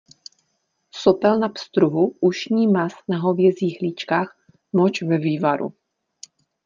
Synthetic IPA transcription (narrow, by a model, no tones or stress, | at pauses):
sopɛlnapst̪ɾuɦuʔuʃɲiːmasnaɦovjɛziːɦliːt͡ʃkaːx | mot͡ʃvɛviːvaɾṵ